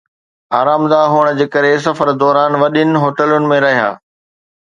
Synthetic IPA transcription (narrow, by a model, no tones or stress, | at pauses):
aːɾaːmd̪aːɦʊɽ̃̆d͡ʑeːkəɾes̬ɐfəɾd̪ɔːɾaːnʋɐɗɪnɪ̆ɦoːʈəlʊnɪ̆mẽɾɐɦija̰ː